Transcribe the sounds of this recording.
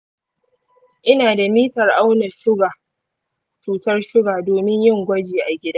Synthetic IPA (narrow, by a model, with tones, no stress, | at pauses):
ʔɪ˦naː˨da˨miː˦tɐ˨rʔa˦wnɐ˨ʃʊ˦ɡa˨ | t͡ʃuː˨tɐ˦rʃʊ˦ɡaː˨doː˨mɪ˦ɲjɪ˦ŋɡʷɐ˦d͡ʒeː˨ʔa˨ɡʲɪ˦da˦